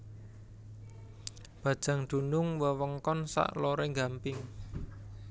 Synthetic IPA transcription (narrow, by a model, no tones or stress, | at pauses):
b̥ä̤d̥ʒ̥a̤ŋd̪̥ṳnʊŋwəwəŋkɔnsa̰ʔloɾeŋɡampɪŋ